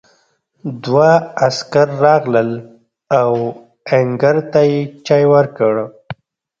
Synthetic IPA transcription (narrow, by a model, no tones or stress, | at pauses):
d̪waaskaɾːɑɣləl | aw | eŋɡəɾt̪ajet͡ʃɑjwəɾkəɽ